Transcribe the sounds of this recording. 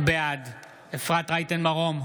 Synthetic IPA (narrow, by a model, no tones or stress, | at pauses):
bead | efʁat̪ʁajt̪enmaʁom